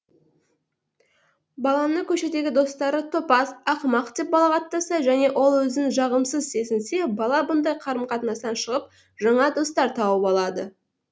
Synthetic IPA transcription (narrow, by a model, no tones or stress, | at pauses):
bɑlˠɑnəkʲʰɵʃe̞t̪e̞ɡʲɪd̪o̞st̪ɑɾət̪ʰo̞pɑsɑqmɑqt̪e̞p̚bɑlˠɑqʰɑt̪ːɑsɑʒæne̞ʔo̞lˠwɵzɪnʒɑʁəmsəzse̞zɪnse̞bɑlˠɑbʊnd̪ɑjqʰɑɾəmqʰɑt̪ənɑst̪ɑnʃəʁəp̚ | ʒɑɴɑd̪o̞st̪ɑɾt̪ʰɑwəpɑlˠɑd̪ə